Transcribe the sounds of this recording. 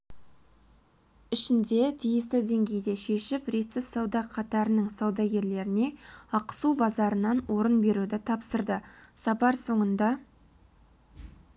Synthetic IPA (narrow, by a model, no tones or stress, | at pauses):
ɪʃɪnd̪e̞t̪ʰijɪst̪ɪd̪e̞ŋɡʲe̞jd̪e̞ʃe̞ʃɪprit̪sɪsɑwd̪ɑqʰɑt̪ɑɾənəŋsɑwd̪ɑɡʲe̞ɾle̞ɾɪne̞ɑqə̥subɑzɑɾənɑnwʔo̞ɾənbe̞ɾud̪ɪt̪ʰɑpsəɾd̪əsɑpɑɾso̞ɴənd̪ɑ